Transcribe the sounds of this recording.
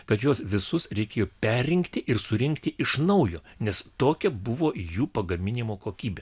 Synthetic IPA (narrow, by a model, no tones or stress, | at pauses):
kɐt̪joːsʋʲɪsʊsɾʲɛɪkʲeːjoːpʲæːɪŋkt̪ʲɪʔɪɾsʊɾʲɪŋkt̪ʲɪʔɪʃnɐʊjoːnʲɛst̪oːkʲɛbʊʋoːjuːpɐɡɐmʲɪnʲɪmoːkoːkʲiːbʲeː